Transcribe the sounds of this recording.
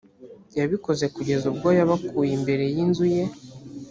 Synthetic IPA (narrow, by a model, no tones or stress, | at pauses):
jaβiko̞ze̞kuɟe̞zub̚ɡojaβakuːjimbe̞ɾe̞jinzuje̞